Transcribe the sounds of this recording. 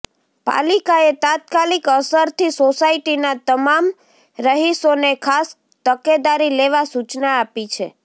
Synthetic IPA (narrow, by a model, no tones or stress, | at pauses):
pa̰likaet̪at̪kalikəsəɾt̪ʰisosaiʈinat̪əmam | ɾəɦisonekʰas | t̪əked̪aɾileʋasut͡ʃnaːpit͡ʃʰḛ